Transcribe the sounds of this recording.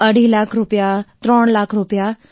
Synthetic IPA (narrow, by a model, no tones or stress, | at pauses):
əɽ̤ilakʰɾupjat̪ɾoɳlakʰɾupja